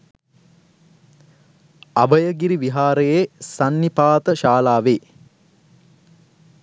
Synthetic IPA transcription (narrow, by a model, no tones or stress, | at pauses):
abəjəɡiɾiʋiɦaːɾəjesanːipaːt̪əʃaːlaːʋeː